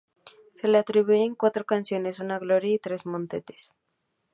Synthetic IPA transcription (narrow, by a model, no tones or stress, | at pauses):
se̞leat̪ɾiβueeŋkwat̪ɾokansjo̞ne̞sunaɣlo̞ɾjait̪ɾe̞zmõnt̪et̪e̥s